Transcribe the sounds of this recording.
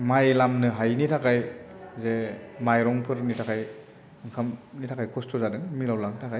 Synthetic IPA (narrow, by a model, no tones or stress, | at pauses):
majlamnɯɦajnitʰakʰajzemajɾɔŋpʰɯɾnitʰakʰaj | ɯŋkʰamnitʰakʰajkʰɔstʰɔzadɯŋmilawlaŋtʰakʰaj